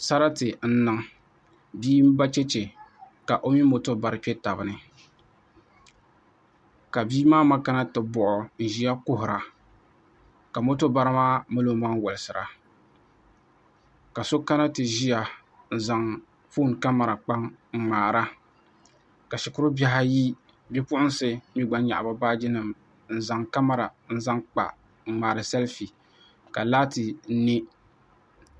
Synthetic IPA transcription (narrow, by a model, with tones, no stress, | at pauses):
sa˦ɾa˦tɨ˨n̩˦nɨ˨ŋ | biː˦m̩˦ba˦t͡ʃɛ˦t͡ʃɛ˨ | ka˨ʔo˦mi˦mo˦to˦ba˦ɾɨ˦pɛ˦ta˨bɨ˨˦nɨ˦ | ka˨biː˦maː˦ma˦ka˦na˦tɨ˨bɔ˨ʔʊ˨n̩˨ʒi˦ja˦kʊ˦ɦʊ˨ɾa˨ | ka˨mo˦to˦ba˦ɾɨ˦maː˦mɨ˦lo˦˨˦maː˦ŋ˦˨wʊ˨lɨ˨sɨ˨ɾa̰˨ | ka˨so˦ka˦na˦tɨ˨ʒi˦ja˨ | n̩˨za˨ŋ | fu˦˨nka˦ma˨ɾa˨k͡pa˦ŋŋ͡m̩˨ŋ͡maː˨ɾa˦ | ka˨ʃɪ˨kʊ˦ɾʊ˦ba˦ɦa˦ji˦ | bi˦pʊ˦ʔʊ˦n˦sɨ˨ni˦ɡ͡ba˦ɲ˦ɲa̰˨ʔba˦baː˦d͡ʒɪ˦nɨ˦˨m | n̩˦˨za˨ŋka˦ma˨ɾa˨n̩˦za˦ŋk͡pa̰˨ | ŋ͡m̩˨ŋ͡maː˨ɾɨ˨sɛ˦lfi˨ | ka˨laː˦tɨ˨n̩˦nɪ˦